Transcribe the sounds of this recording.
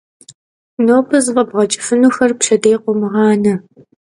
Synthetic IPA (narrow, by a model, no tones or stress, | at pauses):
noːpʰɨzvɐbʁɐt͡ʃʼɪ̥fɨnuːxɐrpʂɐdejqʷʊmɨʁɑːnɐ